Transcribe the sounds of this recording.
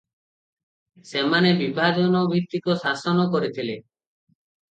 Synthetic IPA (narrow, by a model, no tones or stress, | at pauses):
semanebibʱad͡ʒɔnɔbʱit̪ːikosasɔnɔkɔɾit̪ʰile